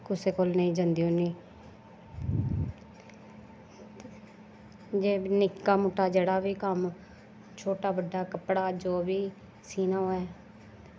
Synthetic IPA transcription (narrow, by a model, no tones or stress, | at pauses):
kʊseːkoːlnəĩːd͡ʒənd̪iːõːniː | d͡ʒeːnɪkkːaːmʊʈːaːd͡ʒeːɽaːʋiːkəm | t͡ʃʰoːʈaːbəɖːaːkəpɽaːd͡ʒoːbiː | siːnaːɦoːɛː